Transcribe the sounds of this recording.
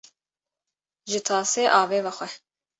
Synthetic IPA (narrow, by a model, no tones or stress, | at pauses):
ʒɪt̪ʰɑːseːʔɑːveːvɐxʷɛ